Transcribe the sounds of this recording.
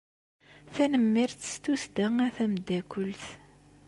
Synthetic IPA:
θænəmːiɾθə̥st̪usd̪æŋæθæmd̪ːækʷəlθ

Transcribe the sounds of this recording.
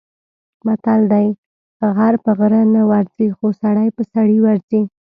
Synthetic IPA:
mat̪ald̪aj | ɣaɾpəɣɾənawaɾzixosaɽajpəsaɽiwaɾzi

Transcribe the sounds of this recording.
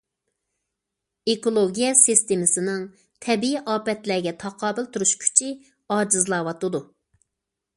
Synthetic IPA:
ekolˠoɡʲijɛsist̪emɪsɪnɪŋ | t̪ʰɛbiiʔɑːpɛt̪læɡʲɛt̪ʰɑqʰɑːbɪlˠt̪uɾuʃkʲʰy̥t͡ʃʰi | ɑːd͡ʒɨzlˠɑːwɑt̪ɨd̪u

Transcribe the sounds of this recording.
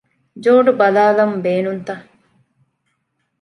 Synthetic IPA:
d͡ʒoːɖubɐlaːlɐmbeːnunt̪ɐ

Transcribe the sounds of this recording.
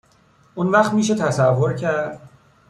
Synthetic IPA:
ʔunvæxt̪miːʃ̬et̪ʰæsævːoɾcʰæɾd̪̥̚

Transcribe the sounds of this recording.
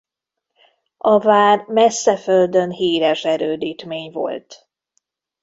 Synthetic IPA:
ɒvaːrmɛsːɛføld̪ønɦiːɾɛʃɛɾøːd̪iːt̪meːɲvo̞̰lt̪

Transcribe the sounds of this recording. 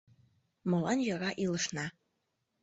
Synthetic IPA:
mɤ̆lɑnjɤɾɑʔilɤ̆ʃnɑ

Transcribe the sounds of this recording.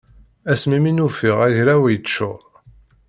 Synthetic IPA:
æsmiminufɪʁæʝɾæwijət͡ʃːʊʁ

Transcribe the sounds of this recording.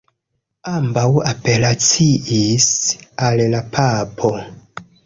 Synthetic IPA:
ambawape̞lat͡siʔisallapʰapʰo̞

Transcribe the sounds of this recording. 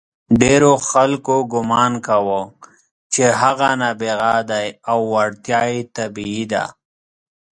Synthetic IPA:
ɖeɾoxalkoɡʊmɑnkawə | t͡ʃeɦaɣanabeɣad̪ajawːaɽt̪jɑet̪abiid̪a̰

